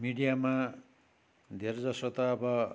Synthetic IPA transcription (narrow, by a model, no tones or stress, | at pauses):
miɽijama | d̪ʱerd͡zʌsot̪ʌːbʌ